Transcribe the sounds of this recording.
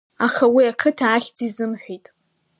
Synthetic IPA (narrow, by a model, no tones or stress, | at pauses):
aχawiakʰɨtʰaːχʲd͡zizɨmħᶣʷitʼ